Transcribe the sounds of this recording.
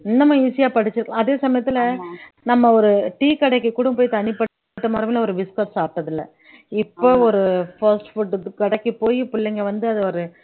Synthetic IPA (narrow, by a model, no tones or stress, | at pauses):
ɪnːɐmɐ̃iːsɪjaːpɐɽɪt͡ʃːɯɾɯkːɐ̃ɐðeːsɐmɐjɐt̪ːɪlɐnɐmːɐɔɾɯʈiːkɐɽɐkːɯkːuɽɯ̃mpoːjit̪ɐnɪpɐ | ʈːɐmaːɾɐmɪːlɐɔɾɯʋɪskɐʈsaːp̚ʈɐðɪlːɐ̰ | ɪpːoːɔɾɯfɐɾsʈfʊʈːkɐɽɐkːipoːjipʊɭːɛŋɡɐʋɐnd̪ɯɐðɯɔɾɯ